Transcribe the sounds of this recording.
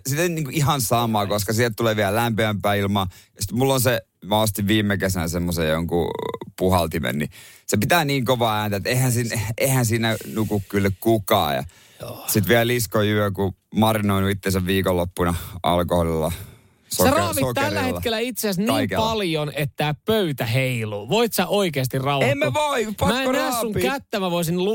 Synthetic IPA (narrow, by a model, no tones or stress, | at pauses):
sit̪enniːŋkuʔihɑnsɑmˑɑːkoskɑsihlt̪t̪uleːʋiællæmpeæmpæːilmɑːjɑsit̪mulːonse | mæost̪iʋʋiːmːekesænsemːosejjoŋkṵpuhɑlt̪imḛnːisepit̪æːniːŋkoʋɑːæːnt̪æet̪eihænsinehænsiːnænukukkylːykkukɑ̰ːjɑ̰ | sit̪ʋiælliskojyøku | mɑrinoinuit̪ːesæʋʋiːkolːopːunɑɑ̰lkoholilːɑ̰ | sorɑːʋisokt̪ælːæheːɑkelːæit̪seæsnɑːikepɑljonet̪ːæːpøyt̪æɦeiloːʋoit̪sæʔoikeɑs̬t̪irɑuemːeʋoipɑmæenæːsːuŋkæt̪ːæmæʋoisinlu